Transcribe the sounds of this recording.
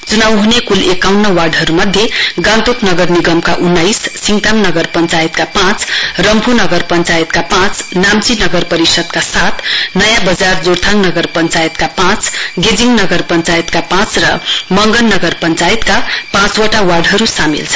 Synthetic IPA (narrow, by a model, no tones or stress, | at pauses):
t͡sunawɦunekulekawnːʌwaɖɦʌɾumʌd̪ʱjeɡãnt̪oknʌɡʌrniɡʌmkaʔunːajsːiŋt̪amnʌɡʌrpʌnt͡sajit̪kapãt͡srʌmpʰunʌɡʌrpʌnt͡sajit̪kapãt͡snamt͡sinʌɡʌrpʌɾisʌd̪kasat̪ʰnʌjãbʌd͡zard͡zoɾt̪ʰaŋnʌɡʌrpʌnt͡sajt̪kapãt͡sɡed͡ziŋɡnʌɡʌrpʌnt͡sajt̪kapãt͡srʌ̰mʌŋɡʌnːʌɡʌrpʌnt͡sait̪kapãt͡swʌʈawaɖɦʌɾusamḭlt͡sʰʌ̥